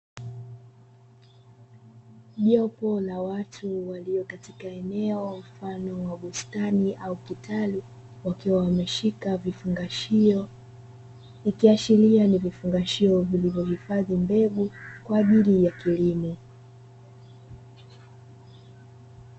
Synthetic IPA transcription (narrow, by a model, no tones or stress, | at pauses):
ʄɔpɔlawatʰuwaliɔkatikaɛnɛɔm̩fanɔwaɡustaniʔaukitali | wakiwawamɛʃikavifuŋɡaʃiɔ | ikiaʃilianivifuŋɡaʃiɔvilivjɔhifaðimbɛɠukwaːʄilijakilimu